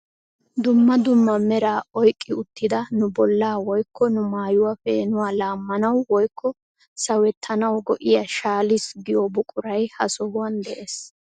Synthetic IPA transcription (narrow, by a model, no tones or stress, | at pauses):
d̪ʊmːɐd̪ʊmːɐmɛɾaːɔjkʼːɪʊt̪ːɪd̪ɐnʊbɔlːaːwɔjkʰːɔnʊmaːjʊwafeːnʊwaːlaːmːɐnɐwwɔjkːɔ | sɐwɛt̪ʰːɐnɐwɡɔʔɪjɐʃaːlɪsɡɪjobʊkʼʊɾɐjhɐsɔhʊwɐnd̪ɛʔeːs